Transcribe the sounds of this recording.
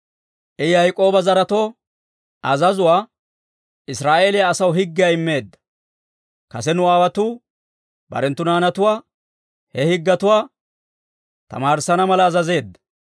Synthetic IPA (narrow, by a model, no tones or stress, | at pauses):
ʔɛjɐjkʼo̞ːbɐzɐɾɐt̪o̞ː | ʔɐzɐzʊwaː | ɪsɾaːʔe̞ːlɪjaːsɐwɦɪɡːɪjaːɪmːe̞ːd̪ːɐ̥ | kɐsɛnʊaːwɐt̪uː | bɐ̰ɾɛnt̪ːʊnaːnɐt̪ʊwaː | hɛhɪɡːɐt̪ʊwaː | t̪ɐ̰maːɾsɐnɐmɐlɐːzɐze̞ːd̪ːɐ̥